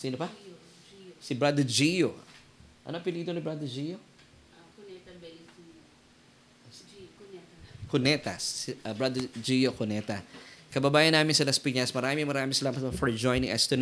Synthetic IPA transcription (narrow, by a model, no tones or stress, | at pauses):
siːnopɐ | sɪbɹad̪ɛd͡ʒijo | ʔɐ̰noɐpɪlid̪onibɹad̪ɛd͡ʒijo | konɛt̪ɐbɹad̪ɛd͡ʒijokonɛt̪ɐkɐbɐbaːjɐnaːmɪnsɐlɐspiɲɐsmɐɾaːmɪŋmɐɾaːmɪŋsɐlaːmɐt̪̚bɐfɔɹd͡ʒojnɪŋʔɛ̰st̪ɛn